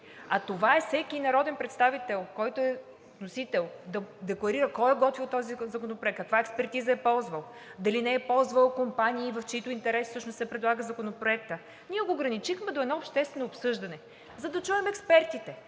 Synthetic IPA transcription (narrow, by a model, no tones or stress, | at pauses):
ɐt̪ovaɛfsɛkinɐɾɔd̪ɛnpɾɛt̪st̪avit̪ɛlˠkɔjt̪oɛ | t̪nosit̪ɛlˠd̪ɐd̪ɛklˠɐɾiɾəkɔjɛɡɔt̪viot̪ːɔzizɐkonopɾoɛkt̪kːɐkvaɛkspɛɾt̪izɐɛpɔlˠzvɐlˠ | d̪ɐlinɛɛpɔlˠzvəlˠkompaniːvɐft͡ʃit̪ʊint̪ɛɾɛssɤʃnost̪sɛpɾɛd̪lˠaɡəzɐkonopɾoɛkt̪ə | niɛɡoːɡɾɐnit͡ʃixmɛd̪oɛd̪nɔopʃt̪ɛst̪vɛnoːpsɤʒd̪ɐnɛ | zɐd̪ɐt͡ʃuɛmɛkspɛɾt̪it̪ɛ